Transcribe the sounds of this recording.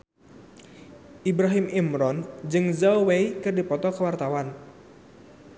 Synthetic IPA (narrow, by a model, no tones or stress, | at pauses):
ʔibɾaɦimimɾɔnd͡ʒɨŋzawweikɨrdipɔt̪ɔkəwart̪awan